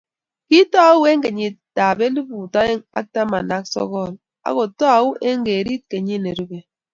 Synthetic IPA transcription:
ki˦tɔ˦a˦wu˦e˦ŋ̩˦ɡe˨ɲi˦ta˨be˦li˦bu˨ta˦je˦ŋa̰˦k̚ta˦ma˨nda˦ksɔ̰˦ɣɔ˦˨l | a̰˦ko˨tɔ˦a˨u˦ʔe˦ŋ˦ɡe˨ɾi˦t̚ke˨ɲi˦ne˨ɾu˦be˨

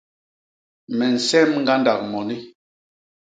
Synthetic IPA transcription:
mɛ˨n̩˨sɛ˦mŋ˦ɡa˦nda˨k̚mɔ˨ni˦

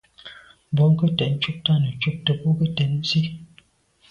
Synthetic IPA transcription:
bɔ˨˦ŋ̩˦kə˦tɛ˨ʔn̩˦t͡ʃu˦k̚ta˦˨nə˨t͡ʃu˦k̚tə˨pu˦kə˦tɛ˨ʔn̩˦si˦

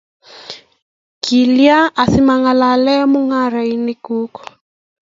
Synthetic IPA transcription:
kʰi˨lja˦ʔa˨θi˦ma˨ŋa˨la˨lɛ˦mu˦ŋa˦ɾa˨i˨nɪ˦ku˦kɔ̥˨

